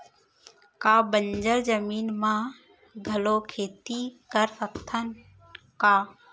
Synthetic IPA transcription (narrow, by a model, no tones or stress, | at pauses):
kaːbəɲd͡ʒəlzəmiːnmãː | ɡʱəloːkʰeːt̪iːkəɾsəkt̪ʰən | kaː